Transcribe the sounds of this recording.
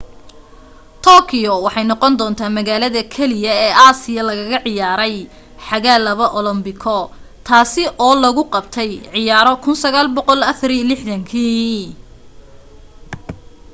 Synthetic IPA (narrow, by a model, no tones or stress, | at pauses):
t̪ʰɔːkʰɪjɔwɑħɑjnɔqɔnd̪ɔːnt̪ʰaːmɐɣaːlɐðɐkʰɛlɪjɐɛːʔaːsɪjɐlɐɣɐɣɐʕɪjaːɾɛj | ħɑɣaːlɐβɐʔɔlɐmbɪkʰɔ | t̪ʰaːsɪʔɔːlɐɣʊqɑbt̪ʰɛjʕɪjaːɾɔkʰʊnsɐɣaːlbɔqɔlɐfɐɾilɪħðɐŋkʰiː